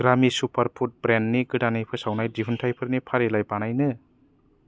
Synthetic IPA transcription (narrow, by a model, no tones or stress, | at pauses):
ɡɾamisupʰɐɾpʰut̚bɾenniɡɯdanɯjpʰɯsawnajdipʰintʰajpʰɯɾnipʰaɾelajbanajnɯ